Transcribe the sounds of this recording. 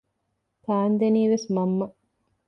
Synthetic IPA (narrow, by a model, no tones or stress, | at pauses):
t̪aːnd̪eniːʋesmɐmːɐ